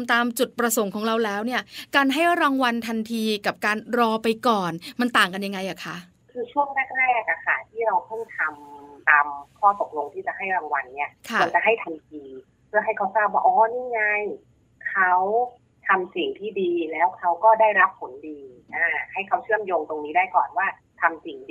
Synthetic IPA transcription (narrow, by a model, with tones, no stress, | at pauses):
mt̪aː˧mt͡ɕu˨˩t̪̚pɾa˧so˩˦ŋkʰɔː˩˦ŋɾa˧wlɛː˦˥wni˥˩ɐkaː˧nɦa˥˩jɾaː˧ŋwa˧nt̪ʰa˧nt̪ʰiː˧ka˨˩p̚kaː˧nɾɔː˧pa˧jkɔː˨˩nma˧nt̪aː˨˩ŋka˧nja˧ŋːa˧jʔa˨˩kʰa˦˥ʔ | kʰɯː˧t͡ɕʰu˥˩əŋnaː˥˩k̚laː˥˩jʔa˨˩ka˨˩kʰa˦˥˩t̪ʰiː˥˩ɾa˧wt̪ʰɔ˥˩ŋt̪ʰa˧mt̪aː˧mkʰɔː˥˩t̪o˨˩k̚lo˧ŋt̪ʰiː˥˩t͡ɕa˨˩hɦa˥˩jɾaː˧ŋwa˧nːi˦˥ɐʔkʰa˧a˩˧˦t͡ɕa˨˩ɦa˥˩jt̪ʰa˧mtʰiː˧ | pʰɯ˥˩əɦa˥˩jkʰa˦wsaː˥˩waː˥˩ʔɔː˨˩˦niː˥˩ŋa˧˥˩j | kʰa˦˥w | t̪ʰa˧msi˨˩ŋt̪ʰiː˥˩diː˧lɛː˦˥wkʰa˦˥wkɔː˥˩daː˥˩jɾa˦˥p̚ʰːo˩˦ndiː˧ʔaː˧˩ha˥˩jkʰa˦˥wt͡ɕʰɯ˥˩əmjoː˧ŋt̪o˧ŋniː˦˥daː˥˩jkɔ̰ː˨˩nwaː˥˩ | t̪ʰa˧msi˨˩ŋ